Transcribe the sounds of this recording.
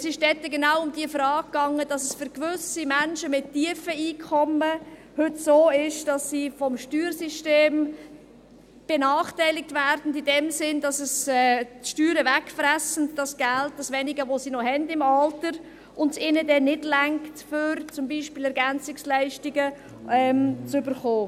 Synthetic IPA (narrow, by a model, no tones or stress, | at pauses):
ɛsɪʃd̥ɛtːəɡenaʊʊmdiəfɾɑːɡ̚kːɑŋːəd̥ɑsəsfʏɾkʋʏsimænʃəmɪtːiəfəiːkʰɔmə | hɵtsoːɪʃd̥ɑssiːfɔmʃtyːɾsiʃteːm | b̥enɑːχtæɪlɪk̚tvæɾdn̩dɪdɛmsɪndɑsəsɛʃtyːɾəvɛkfræsən̩dd̥ɑsɡ̥ælt̚d̥ɑsʋɛnɪɡəʋosiːnɔɦɛndɪmɑltəɾ | ʔʊndsɪnədɛnɪdlæŋktfʏɾt͡sʊmbiːʃpiːlɛɾɡænt͡sɪkslæɪʃtɪɡə | ɛmt͡sʏbəɾχoː